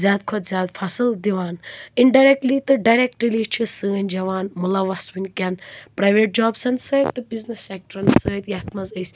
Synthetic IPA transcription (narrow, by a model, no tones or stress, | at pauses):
zʲjaːd̪̚kʰot̪zʲjaːd̪pʰasɨld̪iʋaːniɳɖajɾek̚ʈlit̪ɨɖajɾek̚ʈɾiliːt͡ʃʰisəːnʲd͡ʒɐʋaːnmulɐʋɐsʋinʲkʲanpɾaːjʋeːʈ̚d͡ʒaːbsɐnsəːt̪ːɨbiznesːek̚ʈɐɾɐnsəːt̪jaːt̪ʰmɐzəjsʲ